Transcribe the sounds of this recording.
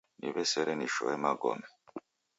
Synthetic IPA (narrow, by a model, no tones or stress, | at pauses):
nḭbɛsɛɾɛniʃɔ̰ɛmaɡɔ̰mɛ